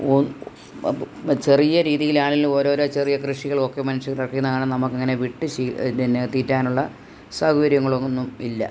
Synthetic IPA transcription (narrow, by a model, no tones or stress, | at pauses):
o | t͡ɕe̞rijɐɾiːðijilaːɳilːuo̞ːɾo̞ːɾo̞ːt͡ɕe̞rijɐkrɨʂiɣɐɭo̞kːe̞mɐnuʂɐɣlɐrkːikːunːɐkːɳɐnɐmukːɐŋːɐne̞ʋiʈːɨinet̪ːiːtːaːnuɭːɐ | saɡɐʋɐɾjɐŋːɐɭonːumilːɐ̰